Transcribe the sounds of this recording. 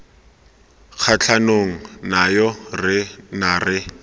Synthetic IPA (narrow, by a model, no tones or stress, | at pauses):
k͡xʰat͡ɬʰanoŋ̩najɔrɪnarɪ